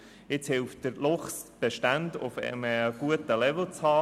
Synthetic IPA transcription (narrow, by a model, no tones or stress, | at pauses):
ɪt͡shɪlft̚d̥əɾlʊχsb̥eʃtændʊfɛ̰məɡ̥uətəlɛvl̩t͡shɑː